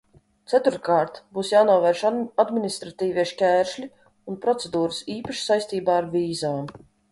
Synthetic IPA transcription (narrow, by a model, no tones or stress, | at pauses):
t̪sæt̪uɾkaːɾt̪buːsjaːnuɔvɛɾʃad̪minist̪ɾat̪iːvʲiɛʃkʲæːɾʃlʲi | unpɾɔt̪sɛd̪uːɾɨsiːpaʃsajst̪iːbaːɾviːzaːm